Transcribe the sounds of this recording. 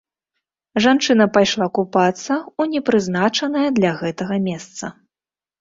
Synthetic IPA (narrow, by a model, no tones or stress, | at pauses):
ʐant͡ʂɨn̪ɐpajʂlˠakupat̪sːɐunʲɛpɾɨznat͡ʂɐnɐjɐd̪lʲɐɣɛt̪ɐɣɐmʲɛst̪sɐ